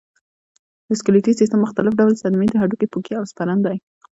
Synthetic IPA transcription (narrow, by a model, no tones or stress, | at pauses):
mɪskɪlit̪isis̬t̪əmːʊxt̪alɪfɖawlsad̪med̪əɦaɖukepukiawspaɾand̪aj